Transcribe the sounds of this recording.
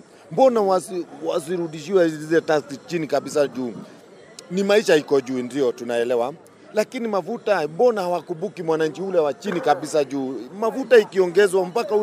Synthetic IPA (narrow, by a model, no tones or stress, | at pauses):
mbɔnawaswasiɾuɗiʃiwɛizɛtastit͡ʃinikaɓisaʄuː | nimaiʃahikɔʄuːndiɔtunaɛlɛwa | lakinimafutambɔnahawakuɓukimwanaɲ̩t͡ʃiulɛwat͡ʃinikaɓisaʄuːmafutaikiɔŋɡɛzwam̩pakau